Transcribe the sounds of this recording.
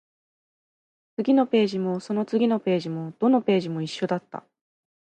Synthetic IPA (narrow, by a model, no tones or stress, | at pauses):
t͡sɨɡʲino̞pe̞ːʑimo̞so̞no̞t͡sɨɡʲino̞pe̞ːʑimo̞d̪̥o̞no̞pe̞ːʑimo̞iɕːo̞d̪at̪ːa̰